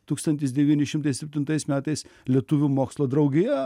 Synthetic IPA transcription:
t̪uːkst̪ɐnt̪ʲɪsd̪ʲɛʋʲiːnʲɪʃʲɪmt̪ɐɪsʲɛpʲt̪ʲɪnt̪ɐɪsmʲæːt̪ɐɪslʲiɛt̪ʊʋʲumoːkslˠoːd̪ɾɐʊɡʲɪjɛ

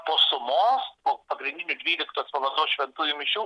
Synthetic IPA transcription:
poːsʊmoːspoːpɐɡɾʲɪnʲd̪ʲɪnʲʊd̪ʲʋʲiːlʲɪkt̪oːspɐʋɐd̪oːʃʲʋʲɛnt̪uːjʊmʲɪʃʲuː

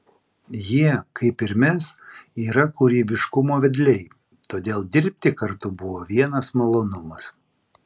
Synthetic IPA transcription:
jiɛkɐɪpɪɾʲmʲɛsiːɾɐkuɾʲiːbʲɪʃkʊmoːʋʲɛd̪ʲlʲɛɪ | t̪oːd̪ʲeːlˠd̪ʲɪɾʲpʲt̪ʲɪkɐɾt̪ʊbʊʋoːʋʲiɛnɐsmɐlˠoːnʊmɐs

